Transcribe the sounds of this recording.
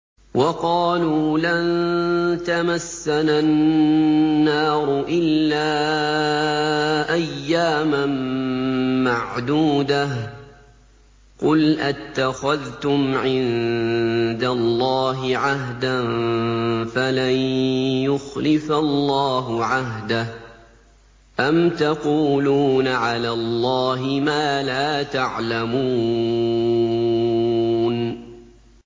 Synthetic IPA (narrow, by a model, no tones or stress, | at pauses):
wɑqɑːluːlant̪amasːananː | ɑːɾˤʊʔɪlːaː | ʔajːaːman | maʕd̪uːd̪a | qʊlʔat̪ːaxaðt̪ʊmʕɪn | d̪alːɑːɦɪʕaɦd̪an | falanjʊxlɪfalˤːɑːɦʊʕaɦd̪ah | ʔamt̪aquːluːnaʕalaːlːɑːɦɪmaːlaːt̪aʕlamuː | n